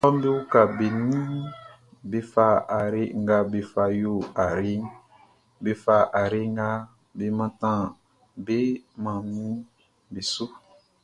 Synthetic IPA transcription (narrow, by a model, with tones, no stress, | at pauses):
ɔ˦m˦be˦wu˦ka˨be˨nĩ˦ | be˨fa˦a˨ɾe˦ŋ̩˦ɡa˧be˨fa˧˨jo˦a˨ɾe˦ŋ | be˨fa˦ʔa˨ɾe˦ŋ˦ɡa˦ | be˨mã˧tã˦˨ | be˦mã˨nĩ˦ | be˨su˦